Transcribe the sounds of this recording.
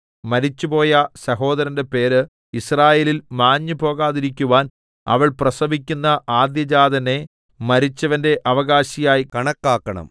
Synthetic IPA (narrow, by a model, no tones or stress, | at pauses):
mɐɾit͡ɕːupo̞ːjɐsɐɦo̞ːd̪ɐɾɐnde̞pe̞ːɾɨ | israːjeːlilmaːɲːupo̞ːɣaːðiɾikʲːuʋaːn | ɐ̰ʋɐɭprɐsɐbikʲːunːɐʔaːd̪jɐd͡ʑaːd̪ɐne̞ | mɐɾit͡ɕːɐʋɐnde̞ʔɐʋɐɣaːɕijaːjkɐɳɐkːaːkːɐɳɐ̰m